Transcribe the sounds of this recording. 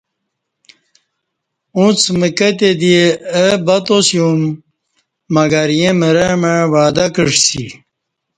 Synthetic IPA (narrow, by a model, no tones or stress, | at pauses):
ũt͡sməkət̪̬ed̪ieəbɐt̪osjũmː | ɐɡɐɾjẽməɾemeʋaːd̪ɐkəʂsḭ